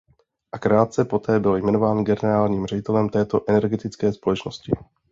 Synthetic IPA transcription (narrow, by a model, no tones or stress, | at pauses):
ʔakɾaːt̪̚t͡sɛpo̞t̪ɛːbɪljmɛno̞vaːnɡɛnɛɾaːlɲiːmr̝ɛɟɪt̪ɛlɛmt̪ɛːt̪o̞ʔɛnɛɾɡɛt̪ɪt͡skɛːspo̞lɛt͡ʃno̞scɪ